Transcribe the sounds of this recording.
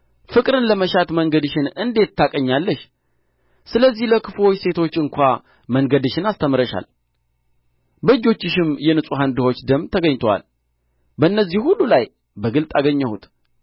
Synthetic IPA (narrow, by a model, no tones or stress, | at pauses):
fɨkʼɾɨnləməʃat̪məŋɡəd̪ɨʃɪnɨnd̪e̞t̪ːʰakʼəɲːalːəʃ | sɨləzːihləkʰɨfwo̞t͡ʃːse̞t̪ʰo̞t͡ʃːɨŋkʷa | məŋɡəd̪ɨʃɪnast̪ʰəmɨɾəʃa̰l | bəɨd͡ʒːo̞t͡ʃːɪʃɪmjɛnɨsʼuɦand̪ɨhot͡ʃːd̪əmt̪ʰəɡəɲt̪ʰəwa̰l | bəɨnːəzːihhulːulaj | bəɡɨlt̪ʼaɡəɲːəhṵt̪